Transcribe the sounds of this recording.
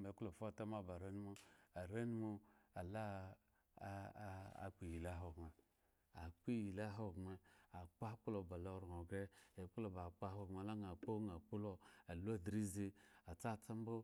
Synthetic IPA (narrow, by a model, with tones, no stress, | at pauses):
me˨˦ku˦lo˨fo˦˨ta˦m˦a˦˨ba˨ɾe˦ni˦mo˧a˨ɾe˦ni˦mo˧a˨la˦˨ | k͡pi˨ji˨la˦ɦo˨ɡma˨ | a˨k͡pi˦ji˨la˦ɦo˦˨ɡma˨a˨k͡pa˦k͡pu˦lo˨ba˨lo˧˨˦ɾo˨ɡɛ˦e˨k͡pu˦lo˨ba˨k͡pa˦ho˧˨ɡa˨la˦ŋ˨a˨k͡po˦ŋa˨k͡pu˦lo˧a˨lu˦a˦˨dɾi˦ze˧a˨t͡sa˦˨t͡sa˦m˦bo˦